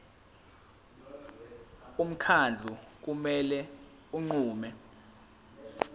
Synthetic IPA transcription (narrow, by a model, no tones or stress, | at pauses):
um̩kʰand͡ɮʱuk̬umɛlɛ | uŋ͡ǀuːmɛ